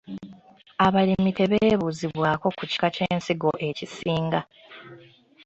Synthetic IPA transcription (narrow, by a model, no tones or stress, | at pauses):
aβalimite̞βeːβuziβwaːko̞kuci̥kace̞ːnsiɡo̞ʔe̞cisiːŋɡa